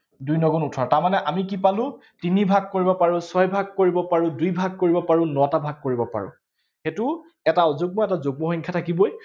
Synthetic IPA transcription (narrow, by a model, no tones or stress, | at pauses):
dujnɔɡɔnutʰaɹtaɹmanɛʔamikipalʊ̃ | tinibʱaɡ̚koɹibɔpaɹʊ̃sɔjbʱaɡ̚koɹibɔpaɹʊ̃dujbʱaɡ̚koɹibɔpaɹʊ̃nɔatabʱaɡ̚koɹibɔpa̰ɹʊ̰̃ | xetʊ | ɛtaɔzoɡ̚mɔɛtazoɡ̚mɔxɔɲŋkʰjatʰakibɔj